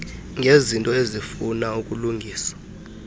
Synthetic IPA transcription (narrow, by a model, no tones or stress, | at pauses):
ŋʱezintʼɔezifunaukʼuluŋɡʱiːsḁ